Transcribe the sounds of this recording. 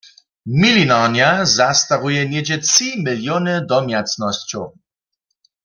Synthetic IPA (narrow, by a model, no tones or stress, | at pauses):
milinanjazast̪aʁujɛnjɛd͡ʑɛt͡simɪljɔnɨd̪ɔmjat͡snɔst͡ɕɔw